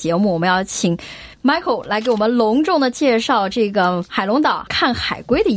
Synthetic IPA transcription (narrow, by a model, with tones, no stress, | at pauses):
t͡ɕjɛ˧˥mu˥˩wɔ˨˩mə˦jɑ˥˩ʊt͡ɕʰi˨˩ŋ | ma˥ɪkʰo˨˩ʊla˧˥ɪk̬ɪwɔ˨˩mə˦nlʊ˧˥ŋʈ͡ʂʊ˥˩ŋd̪ə˩t͡ɕjɛ˥˧ʂɑ˥˧ʊʈ͡ʂɤ˥˩ɡə˩xa˨˩ɪlʊ˧˥ŋt̪ɑ˨˩˦ʊkʰa˥˩nxa˨˩ɪkwe˥ɪd̪ə˧